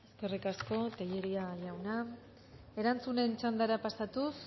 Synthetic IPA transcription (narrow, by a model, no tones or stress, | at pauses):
eske̞rikasko̞t̪eʎeɾiaʝawna | e̞ɾant͡sune̞nt͡ʃand̪aɾapasat̪us